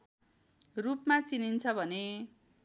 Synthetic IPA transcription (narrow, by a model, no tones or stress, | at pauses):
rupmat͡sinint͡sʰʌbʱʌne